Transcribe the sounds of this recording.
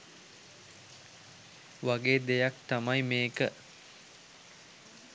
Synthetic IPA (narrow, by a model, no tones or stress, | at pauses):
ʋaɡeːd̪ejak̚t̪amajmeːkə